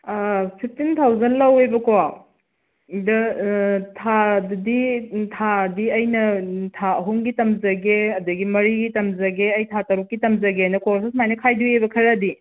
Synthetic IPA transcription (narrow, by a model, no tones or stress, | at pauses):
pʰip̚ʰtintʰawzɐnlɐwebɐkoa | dɐ | tʰadditʰadiɐjnɐtʰaɦuŋɡitɐmzɐɡeɐdɐɡimɐɾiɡitɐmzɐɡeɐjtʰatɐɾukːitɐmzɐɡeajnɐkoɾsis̬majnɐkʰajduebɐkʰɐɾɐdi